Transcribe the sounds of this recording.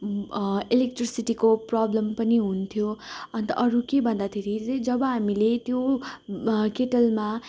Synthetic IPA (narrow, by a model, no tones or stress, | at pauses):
elek̚ʈrisiʈikoprablʌmpʌniɦunt̪ʰjoʌnt̪ʌ̰ʔʌɾukebʱʌnd̪at̪ʰeɾiʌd͡zʌbʌɦamilet̪jo | keʈʌlma